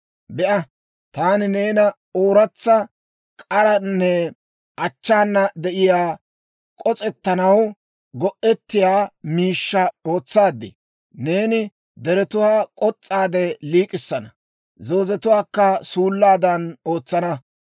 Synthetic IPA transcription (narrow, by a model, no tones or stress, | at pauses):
bɛʔɐ | t̪aːnɪneːnɐ | oːɾɐt͡sːɐ | kʼɐɾɐnːɛ | ʔɐt͡ʃːaːnːɐd̪ɛʔɪjaː | kʼɔt͡sʼɛt̪ːɐnɐw | ɡɔʔɛt̪ːɪjaːmiːʃːɐo̞ːt͡sːaːd̪ːɪ̰ | ne̞ːnɪ | d̪ɛɾɛt̪ʊwaːkʼɔt͡sʼːaːd̪ɛliːkʼɪsːɐnɐ | zo̞ːzɛt̪ʊwaːkːɐsuːlːaːd̪ɐnoːt͡sːɐnɐ